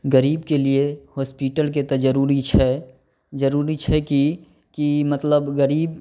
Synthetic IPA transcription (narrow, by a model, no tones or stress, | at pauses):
ɡəɾiːbkeliehɔːspiʈəlk̬et̪ɐd͡ʒəɾuːɾit͡ʃʰɛ | d͡ʒɐɾuːɾit͡ʃʰɛki | kimɐt̪ləbɣəɾiːb̚